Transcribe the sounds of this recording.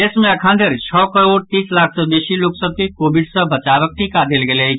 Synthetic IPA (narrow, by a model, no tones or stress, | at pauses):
esmeəkʰand̪ʱeɾt͡ʃʰɔkəɾoɽ̚t̪islak̚ʰsəbesiloksəb̚kekobiɖsə̃bət͡ʃabək̚ʈikad̪elɡeləjt͡ʃʰ